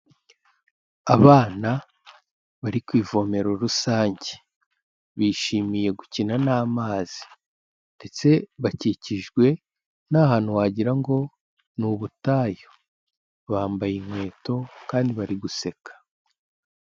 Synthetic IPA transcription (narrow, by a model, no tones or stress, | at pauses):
aβaːna | βaɾikwiːvo̞me̞ɾo̞ɾusaːɲɟe | βiːʃiːmije̞ɡucinanaːmaːz̥i̥ | nd̥e̞t͡se̞βaciciʒɡwe̞ | nahaːn̥huwaːɟiɾaŋɡo̞ | nuβutaːjo | βaːmbajiŋwe̞ːto̞kaːndiβaɾiɡuse̞kʰḁ